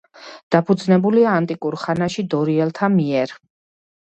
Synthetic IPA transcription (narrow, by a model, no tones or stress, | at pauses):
d̪̥apʰud̪znɛbuliaːnt̪ʼikʼuɾχanaʃid̪ɔɾiɛlˠt̪ʰamiɛɾ